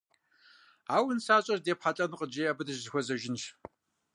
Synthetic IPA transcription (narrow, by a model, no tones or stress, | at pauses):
aːwʊnsaːɕʼɐrdeːpħaɬʼɐnqʼəd͡ʒeːabɨdɨʒzɨxʷɔzɐʒɪnʃ